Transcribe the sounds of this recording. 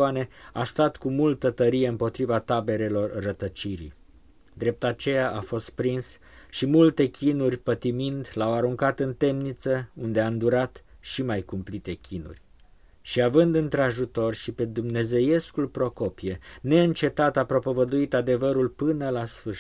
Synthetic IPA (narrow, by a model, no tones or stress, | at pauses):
ane̞ast̪at̪kumult̪ət̪əɾije̞ɨmpo̞t̪ɾivat̪abe̞ɾe̞lo̞rːət̪ət͡ʃiɾḭ | d̪ɾe̞p̚t̪at͡ʃe̞jaʔafo̞st̪̚pɾins | ʃimult̪e̞kʲʰinurʲpət̪imind̪lawaɾuŋkat̪ɨnt̪e̞mnit̪səund̪eaɨnd̪uɾat̪ | ʃimajkumplit̪e̞kʲinṵrʲ | ʃiavɨnd̪ɨnt̪ɾeaʒut̪o̞rʲʃipe̞d̪umne̞ze̞je̞skulpɾo̞ko̞pijene̞ɨnt͡ʃe̞t̪at̪apɾo̞po̞vəd̪uit̪ad̪e̞vəɾulpɨnəlasfɨʃ